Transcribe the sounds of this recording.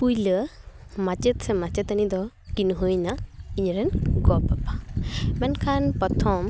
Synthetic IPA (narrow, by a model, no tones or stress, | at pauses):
pujləmat͡ʃət̪sɛmat͡ʃət̪anid̪ɔ | kinɦujnaiɲɾɛnɡɔpapabɛnkʰanpɔt̪ʰɔm